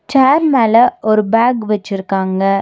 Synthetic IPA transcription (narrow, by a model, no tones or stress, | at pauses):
t͡ʃaːɾmeːlɐɔɾɯbaːɡʋɛt͡ʃːɪɾɯkːaːŋɡɐ